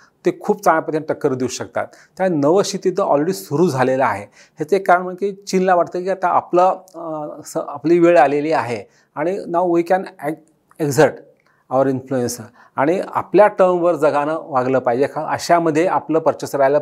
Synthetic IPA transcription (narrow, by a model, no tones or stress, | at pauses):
t̪ekʰuːpt͡saɳ̃apət̪ʰjaʈəkːəɾd̪iuɕəkt̪a̰t̪ːjanəʋəɕit̪it̪əʔɔ̰lɾeɽisuɾuːd͡zʱaleləaɦe | ɦet͡sekːaɾəɳm̤əket͡ɕinlaʋaʈt̪əkiːat̪aʔa̰plə | səapliːʋeɭaleliːaɦe | aɽ̃inaʋojkan | ekd͡zʱəɾʈ | aʋɾinflujensə | aɽ̃ia̰pljaʈəɾmʋəɾd͡zəɡanəʋaɡləpajd͡ʑekʰaəɕaməd̪ʱːjeʔapləːpəɾt͡ɕəsəɾajlə